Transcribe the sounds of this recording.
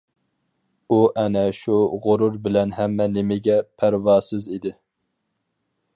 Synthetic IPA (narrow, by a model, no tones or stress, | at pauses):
uʔɛnɛʃuʁoɾuɾbɪlɛnɦɛmːɛnɪmɪɡʲɛpʰæɾwɑːsɨzid̪ɪ